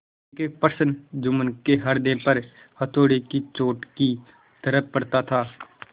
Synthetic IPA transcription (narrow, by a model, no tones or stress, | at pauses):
kepəɾsənd͡ʒʊmənkeɦɐɾd̪ɪ̃pɐɾ | hɐt̪ʰoːɽekit͡ʃoːʈki | t̪əɾəp̚pɐɽt̪at̪ʰaː